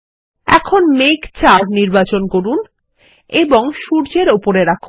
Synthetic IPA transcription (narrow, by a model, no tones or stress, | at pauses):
ɛ̰kʰonmekt͡ɕaɾniɾbat͡ɕonkoɾun | eboŋʃuɾd͡ʑeɾopoɾeɾakʰu